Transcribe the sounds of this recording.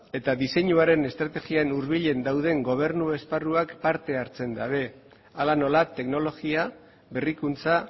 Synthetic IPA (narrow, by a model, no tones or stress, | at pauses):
e̞t̪aðiseɲuaɾe̞ne̞st̪ɾat̪e̞ɣianuɾβiʎe̞nd̪awðe̞ŋɡo̞β̞e̞ɾnue̞sparuakpaɾt̪e̞aɾt͡se̞nd̪a̰βe̞ | alano̞lat̪e̞kno̞lo̞ɣia | βe̞rikunt͡sa